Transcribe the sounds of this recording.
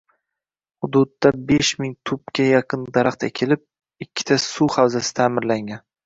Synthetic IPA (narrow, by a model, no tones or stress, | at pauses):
hʊd̪ʊd̪ːabeʃmɪŋt̪ʰʊp̚kʲajɑqʰɨnd̪aɾaχt̪ʰakʲʰelɪp̚ | ɪkʲʰːɪ̥t̪ʰasuhawzasɪ̥t̪ʰaːmɪɾlaŋɡʲan